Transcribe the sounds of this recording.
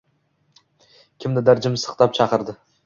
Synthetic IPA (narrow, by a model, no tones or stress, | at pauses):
kʲʰɪmd̪ɪd̪aɾd͡ʒɪmsɨ̥χt̪ʰap̚t͡ʃʰɑqɨɾd̪ɪ